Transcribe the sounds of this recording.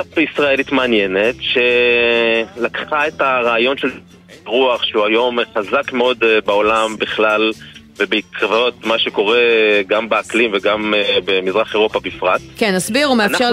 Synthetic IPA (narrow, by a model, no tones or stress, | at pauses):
aisʁaelitmaːnjene̞tʃe̞ | lakχaetaʁaːjo̞nʃel | ʁuaχʃeuajo̞mχazakmeo̞d̪beo̞lambiχlalvebeikʁavao̞tmaʃe̞ko̞ʁeɡambeaklimveɡambemizʁaχeʁo̞pabifʁat̚kenːasbiʁumeaʃe